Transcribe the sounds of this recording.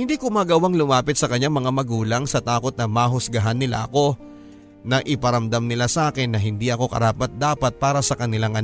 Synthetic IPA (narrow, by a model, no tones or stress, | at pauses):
hɪnd̪ikoʊmaːɡɐwaŋlʊmaːpɪt̪̚sɐkɐɲːaŋmɐŋamɐɡuːlɐŋsɐt̪aːko̞t̪̚nɐmaːɦʊsɡɐɦanːɪla̰ʔɐko̞ | nɐʔɪpɐɾɐmd̪amnɪlasɐʔaːkɪnːɐɦɪnd̪iʔɐko̞kɐ̰ɾaːpɐt̪̚d̪aːpɐt̪̚paːɾɐsɐkɐnɪlaŋʔɐn